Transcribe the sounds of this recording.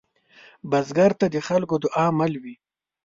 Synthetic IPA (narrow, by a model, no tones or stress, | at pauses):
bazɡaɾt̪ad̪əxalkod̪ʊʔamalwi